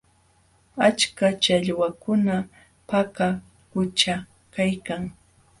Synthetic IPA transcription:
at͡ʃkat͡ʃaʎwakʊna | paka | kʊt͡ʃa | kajkaŋ

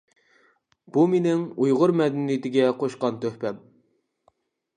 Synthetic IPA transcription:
b̥umenɪŋujʁʊɾmɛd̪ɪnjɪt̪ɪɡʲɛqʰoʃqɑnt̪øhpɛm

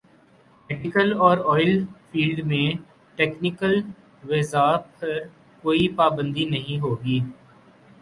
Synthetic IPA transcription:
mɛʈɪkəlɔːɾɔːɪlfʰiːlɖmẽ | ʈeːknɪkəl | ʋezaːpʰɐɾ | koːipaːbə̃nd̪inɐɦĩɦoːɡiː

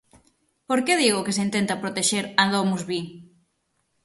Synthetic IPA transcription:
poɾkeðiɣʊkes̬eint̪ẽnt̪ɐpɾot̪eʃeɾaðomuzβi

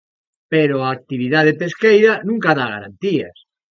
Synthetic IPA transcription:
peɾoaːk̚t̪iβ̞iðaðepeskejɾanũŋkaðaɣa̰ɾa̰nt̪ia̰s

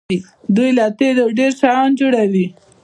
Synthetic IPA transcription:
i | d̪ujlɑt̪ed̪aɖeɾʃɑnd͡ʒuɽawi

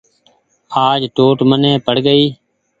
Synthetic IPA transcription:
aːd͡ʒʈoːʈmənẽːpəɽɡəiː

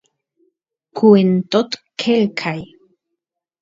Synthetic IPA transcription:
kʰuent̪ot̪kʰelkʰaj

